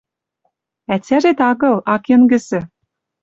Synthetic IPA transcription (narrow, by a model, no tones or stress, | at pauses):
æt͡sʲæʒet̪ɑɣɤ̆lˠɑkĕnɡɘ̆sɘ̆